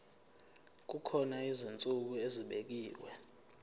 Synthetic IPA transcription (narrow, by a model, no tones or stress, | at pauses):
k̬ukʰɔnaizint͡sʼuk̬ueziɓek̬iːwɛ